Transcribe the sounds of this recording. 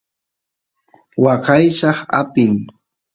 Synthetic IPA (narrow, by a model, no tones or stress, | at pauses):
wɑqɑjʃɑχa̰pɪŋ